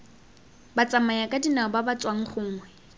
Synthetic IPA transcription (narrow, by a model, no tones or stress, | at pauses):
bat͡sʼamajakʼadinaɔbabat͡sʼwaŋ̩χʊŋ̩ːwɛ